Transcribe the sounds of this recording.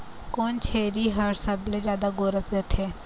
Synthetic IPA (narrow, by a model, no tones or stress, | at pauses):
koːnt͡ʃʰeːɾiɦɐɾsəbled͡ʒjaːd̪aɡoːɾəsɡ̪eːt̪ʰɦeː